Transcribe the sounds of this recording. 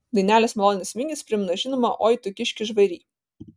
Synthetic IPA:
d̪ɐɪnʲæːlʲeːsmɛlˠoːnʲɪsʋʲɪŋʲɡʲispʲɾʲɪmnɐʒʲɪnomɐʔoːjt̪ʊkʲɪʃʲkʲɪʒʋɐɪɾʲiː

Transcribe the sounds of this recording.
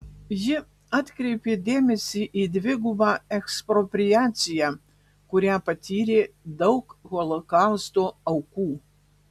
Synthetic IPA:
jɪ | at̪kɾepʲed̪ʲemʲɪsʲiʔid̪ʲvʲɪɡubaɛkspɾɔpɾʲijat̪sʲija | kʊɾʲapɐt̪ʲiɾʲe | d̪ɐwkxɔlˠokawst̪oɐwku

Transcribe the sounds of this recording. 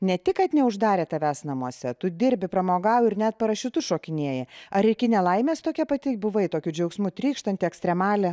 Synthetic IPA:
nʲɛt̪ʲɪkɐt̪nʲɛʊʒd̪ɑːɾʲeːt̪ɐʋʲæsnɐmuɔsʲɛt̪ʊd̪ʲɪɾʲbʲɪpɾɐmoːɡɑːwɪɾnʲæt̪̚pɐɾɐʃʲɪt̪ʊʃoːkʲɪnʲiɛjɛɐɾɪkʲɪnʲɛlˠɐɪmʲeːst̪oːkʲɛpɐt̪ʲɪbʊʋɐɪt̪oːkʲʊd͡ʒʲɛʊksmʊt̪ʲɾʲiːkʃt̪ɐnʲt̪ʲɪɛksʲt̪ɾʲɛmɑːlʲɛ

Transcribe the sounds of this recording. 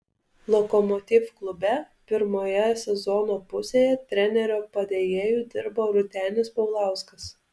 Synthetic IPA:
lˠɔkɔmɔt̪ʲifklˠʊbʲɛ | pʲɪɾmoːjɛsʲɛzɔnoːpʊsʲeːjɛt̪ʲɾʲɛnʲɛɾʲoːpɐd̪ʲejeːjuːd̪ʲɪɾboːɾʊt̪ʲæːnʲɪspɔʊlˠɑˑʊskɐs

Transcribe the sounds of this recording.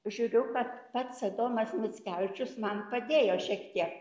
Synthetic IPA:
ʒʲuːɾʲʊkɐt̪pɐt̪sɐd̪oːmɐsmʲɪt͡sʲkʲæʊʋʲɪt͡ʃʲʊsmɐnpɐd̪ʲeːjoːʃʲiɛkt̪ʲiɛk

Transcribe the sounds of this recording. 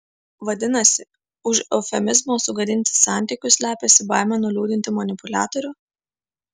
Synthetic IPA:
ʋɐd̪ʲɪnɐsʲɪ | ʊʃɔfʲɛmʲɪzmoːsʊɡɐd̪ʲɪnʲt̪ʲɪ̥sɑˑnʲt̪ʲiˑkʲʊslʲæːpʲesʲɪbɑˑɪmʲɛnʊlʲuːd̪ʲɪnʲt̪ʲɪmɐnʲɪpʊlʲæ̰ːt̪ɔɾʲʊ

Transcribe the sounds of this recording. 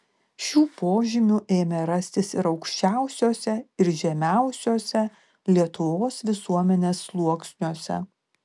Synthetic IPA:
ʃʲuːpoːʒʲɪmʲʊʔeːmʲɛɾɐsʲt̪ʲɪsɪɾɒʊkʃʲt͡ʃʲæˑʊsʲoːsʲɛɪɾʒʲɛmʲæˑʊsʲoːsʲɛ | lʲiɛt̪ʊʋoːsʋʲɪsuɔmʲɛnʲeːslˠuɔksʲnʲuɔsʲɛ̰

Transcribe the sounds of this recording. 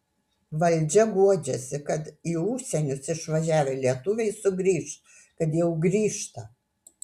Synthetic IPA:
ʋɐlʲˑd͡ʒʲɛɡuɔd͡ʒʲɛsʲɪkɐt̪iːʊʃʲsʲɛnʲʊsɪʃʋɐʒʲæːʋʲɛlʲiɛt̪ʊʋʲɛɪsʊɡɾʲiːʃt̪ | kɐt̪jɛʊɡɾʲiːʃt̪ɐ

